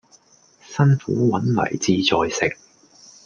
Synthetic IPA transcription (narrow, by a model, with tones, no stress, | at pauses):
sɐ˥nfuː˨˥wɐ˨˥nlɐ̰˨˩jt͡siː˧t͡sɔː˧jsɪ˨k̚